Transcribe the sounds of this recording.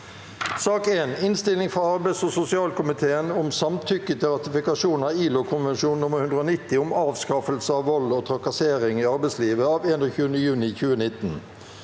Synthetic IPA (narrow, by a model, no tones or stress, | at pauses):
sɑːkeːnɪnst̪ɪlɪŋfʁɑɑɾbæɪsosʊsɪɑːlkʊmɪt̪ʰeːənʊmsɑmt̪ʰʏkːət̪ʰɪlʁɑt̪ɪfɪkɑʂuːnnɑiːlʊkʰʊnʋɛnʂuːnnʊmːəɾhʉnd̪ɾəoːnɪt̪ːɪʊmɑːʋskɑfəlsəɑːʋɔloːt̪ʰʁɑkɑseːʁɪŋiːɑɾbɛɪsliːʋəɑːʋeːnɔçʉːənəjʉːnɪçʉːənɪt̪ːn̩